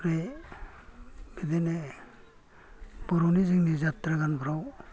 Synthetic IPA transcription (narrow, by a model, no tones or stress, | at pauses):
ɾe | mid̪ene | b̥ɔɾuniziŋnizat̪ɾaɡanbɾaw